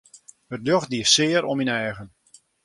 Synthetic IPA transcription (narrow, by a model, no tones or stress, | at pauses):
ətløxdiəsɪːəɾɔminɛːɣən